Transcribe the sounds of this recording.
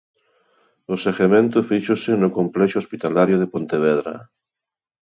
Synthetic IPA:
oseɣemẽnt̪ofiʃosenokomplɛʃospit̪alaɾjoð̞epont̪eβ̞eðɾa̰

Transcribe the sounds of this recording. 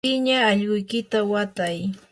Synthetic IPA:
ɪɲaːʎɢʊjkɪt̪awat̪aj

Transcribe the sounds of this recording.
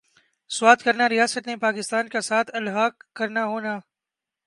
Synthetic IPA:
swaːt̪kɐɾnaɾijaːsət̪nepaːkɪst̪aːnkasaːt̪ʰɐlɦaːɡkːɐɾnaɦoːnaː

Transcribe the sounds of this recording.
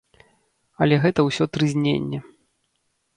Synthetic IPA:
ɐlʲɛɣɛt̪ɐwsʲɔt̪ɾɨzʲnʲḛnʲːɛ

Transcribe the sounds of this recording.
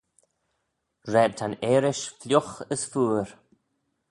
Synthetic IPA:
ɹɛːb̚t̪ʰaneːɾɪʃflʲjʊxəsfuːɾ

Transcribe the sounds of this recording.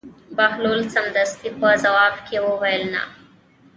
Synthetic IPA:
baɦlolsamd̪əst̪ipəzɐwɑːbkewowajlna̰

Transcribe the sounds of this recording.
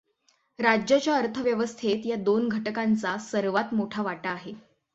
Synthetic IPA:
ɾad͡ʑjat͡ɕjaəɾt̪ʰəʋjəʋəst̪ʰet̪jad̪onɡʱəʈəkant͡sasəɾʋat̪moʈʰaʋaʈaːɦe

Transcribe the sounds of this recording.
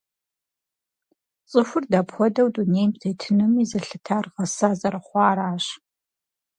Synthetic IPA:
t͡sʼɨxʷʊrdapxʷɔdɐwduneːjmtʰeːtʰɨnɨmizɐɬɨtʰaːrʁɐsaːzɐɾɐχʷɑːɾaːɕ

